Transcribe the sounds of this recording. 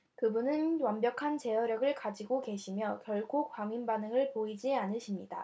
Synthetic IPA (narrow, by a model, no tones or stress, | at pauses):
kɯbunɯnwʌmbjʌkʰant͡ɕe̞ʌɾjʌɡɯɭkad͡ʑiɡoke̞ɕʰimjʌkjʌɭkʰokwaŋinbanɯŋɯɭpoid͡ʑianɯɕʰimɲida